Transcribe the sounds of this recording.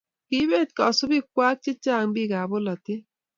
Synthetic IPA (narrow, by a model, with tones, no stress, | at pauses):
ki˦be˦˨t̪̚kɔ˨sʊ˦bi˦k̚waː˦k̚t͡ʃɪ˦t͡ʃa˦˨ŋbi˦˨ɡa˨bo˦lɔ˨t̪ɪ˦